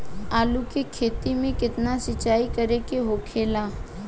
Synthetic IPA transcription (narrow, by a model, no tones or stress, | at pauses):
aːlukekʰeːt̪imẽkɪt̪nasɪt͡ʃːaːikɐɾekeɦoːkʰeːlaː